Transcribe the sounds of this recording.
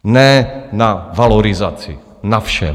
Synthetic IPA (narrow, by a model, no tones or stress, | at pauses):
nɛːnavalɔɾizaːt͡siː | nafʃɛ̰